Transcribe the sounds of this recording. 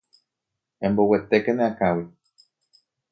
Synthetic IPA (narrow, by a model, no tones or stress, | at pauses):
ẽmbowet̪ekenẽãkãwi